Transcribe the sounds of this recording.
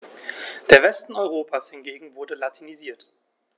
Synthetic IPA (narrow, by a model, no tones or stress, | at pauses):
d̥eːɐvɛstn̩ɔʏʁ̞oːpʰaːshɪnɡeːɡŋ̩vʊɐdəlatʰiniziːɐt